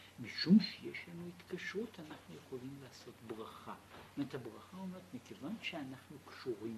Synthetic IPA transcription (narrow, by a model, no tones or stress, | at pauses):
miʃumʃjɛʃanuit̪kʰaʃʁutʰanaχnujeχolimlaːsot̪bʁaχanat̪ʰabʁaχaumat̪mekʰevanʃeanaχnukʃuʁim